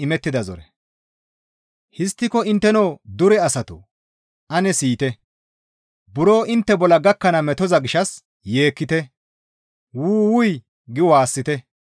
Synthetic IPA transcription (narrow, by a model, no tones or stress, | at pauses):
ɪmɛt̪ːɪd̪ɐzɔ̰ɾɛ̰ | hɪst̪ːɪkɔɪnt̪ːɛnoːd̪ʊɾɛɐsɐt̪ʊ | ʔɐnɛsiːt̪ɛ | bʊɾo̞ːʔɪnt̪ːɛbɔlːɐɡɐkːɐnɐmɛt̪ɔzɐɡɪʃɐs | je̞ːkːɪt̪ɛ | wuːwʊj | ɡɪwaːsːɪt̪ɛ